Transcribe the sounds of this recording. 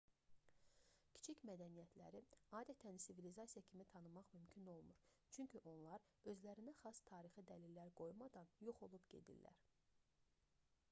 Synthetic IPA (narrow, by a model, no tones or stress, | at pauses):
cʰi̥t͡ʃʰicmæd̪ænijæt̪ʰlæɾiɑːd̪æt̪ʰænsivilizɑsijɑcʰimit̪ʰɑnɯmɑχmymcʰino̞lˠmuɾ | t͡ʃʰyɲcʰyʔo̞nlˠɑɾ | ø̞zlæɾinæχɑst̪ʰɑːɾixid̪ælilːæɾɡo̞jumɑd̪ɑnjo̞χo̞lˠubɟe̞̰d̪ḭlːæ̰ɾ